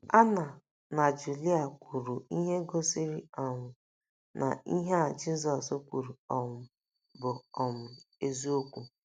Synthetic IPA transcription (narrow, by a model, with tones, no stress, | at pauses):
a˦na˨ | na˨d͡ʒu˨li˦a˨kʷʰu˨ɾu˨i˦ɦe˦ɡo˦si˦ɾi˦a˨ŋʊ˨ | nʔa̰˨i˦ɦe˦a˨d͡ʒi˦zɔ˨so˦kʷu˨ɾu˨ɔ˨ŋʊ˨ | bʊ˨ɔ˨mʊ˨e˦zi˦o˦kʷu˦